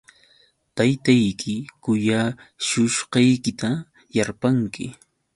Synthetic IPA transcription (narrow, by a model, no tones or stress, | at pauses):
t̪ajt̪ajkʰɪkʊjaʃʊʃqɑjkɪt̪a | jaɾpaŋkɪ̰